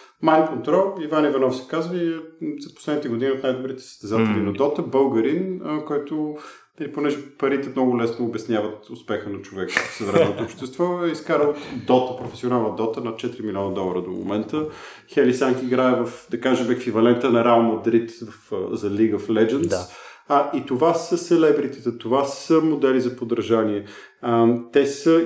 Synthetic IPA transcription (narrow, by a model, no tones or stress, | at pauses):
majnkont̪ɾɔlˠivanivɐnɔfsɛ̥kazvizɐpo̥slɛd̪nit̪ɛɡʊd̪iniot̪najd̪obɾit̪ɛ̥sə̥st̪ɛzat̪ɛlinɐd̪ɔt̪əbɤlˠɡɐɾinəkɔjt̪ʊ | nɐliponɛʒɛpɐɾit̪ɛmnɔɡʊlɛsnoːbɛsnʲjavɐt̪ʊspɛxənɐt͡ʃovɛkə̥fsɐvɾɛmɛnot̪oːpʃt̪ɛst̪vɔiskaɾəlˠt̪d̪ɔt̪əpɾofɛsionalˠnəd̪ɔt̪ənɐt̪̚t͡ʃɛt̪iɾimilʲiɔnɐd̪ɔlˠɐɾəd̪omo̰mɛnt̪ə | xɛlisaŋkiɡɾaɛvəfd̪ɐkaʒɛmɛkvivɐlɛnt̪ənɐɾɛəlˠmɐd̪ɾit̪vɐfzɐliɡəflɛd͡ʒɛnt̪ | it̪ovasəsɛlɛbɾit̪ɛt̪ət̪ovasəmod̪ɛlizɐpod̪ɾʒaniɛ | t̪ɛsə